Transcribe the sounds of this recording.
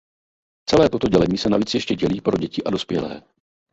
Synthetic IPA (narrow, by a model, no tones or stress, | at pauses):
t͡sɛlɛːt̪o̞t̪o̞ɟɛlɛɲiːsɛnaviːt͡sjɛʃcɛɟɛliːpɾo̞ɟɛcɪʔado̞spjɛlɛ̰ː